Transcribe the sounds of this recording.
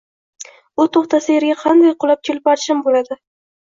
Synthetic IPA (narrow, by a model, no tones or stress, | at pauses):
ʊt̪ʰoχt̪asɪjeɾɡʲaqʰɑnd̪ajqʰʊlˠap̚kʲʰelɪpɑɾʃɪmbolad̪ɪ